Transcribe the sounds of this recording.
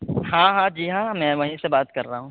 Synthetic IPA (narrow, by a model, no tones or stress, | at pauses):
hãːɦãːd͡ʒiːɦãːmɛ̃ːʋɐɦĩsebaːt̪kɐɾːaɦũː